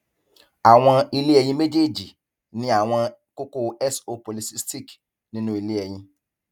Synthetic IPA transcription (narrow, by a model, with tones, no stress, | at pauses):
a˨w̃ɔ̃˧i˧le˦ɛ˨j̃ĩ˧me˦d͡ʒe˦˨d͡ʒi˨ | nĩ˦a˨w̃ɔ̃˧ko˦ko˦ɛ˦so˧po˨li˨˦si˦sti˦˨k | nĩ˦nũ˦i˨le˦ɛ˨j̃ĩ˧˦